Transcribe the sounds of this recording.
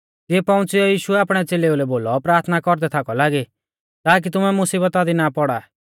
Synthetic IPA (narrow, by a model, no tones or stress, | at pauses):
eːpɐ̃ʊ̃t͡siɔjiːʃuɛaːpɽ̃ɛt͡seːleulɛboːlɔpɾaːɾt̪ʰnakɔɾd̪ɛt̪ʰakɔlaːɡi | t̪aːk̬it̪ʊmɛmʊsiːbət̪ad̪inapɔɽa